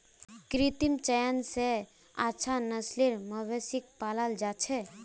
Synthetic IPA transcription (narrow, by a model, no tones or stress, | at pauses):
kɾit̪imt͡ʃəjənse | at͡ʃʰanəsliɾməʋesik̚paləld͡ʒat͡ʃʰɛ